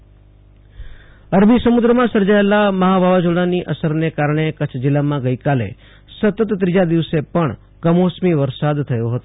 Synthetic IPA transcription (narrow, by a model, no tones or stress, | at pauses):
əɾbʱisəmud̪ɾəmãsəɾd͡ʒaelaməɦabʱaʋad͡ʒoɽ̃aniʔəsəɾnekaɾɳ̃ekət͡ʃʰd͡ʒilːamãɡəjkalḛ | sət̪ət̪ːɾid͡ʒad̪iʋsepəɳ | ɡəmosmiʋəɾsad̪t̪ʰəjoɦət̪o